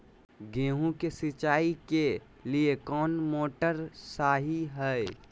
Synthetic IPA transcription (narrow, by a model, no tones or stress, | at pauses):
ɡẽːɦũkesɪt͡ʃaːike | liekɔːnmoːʈəɾsaːɦiɦɛɛ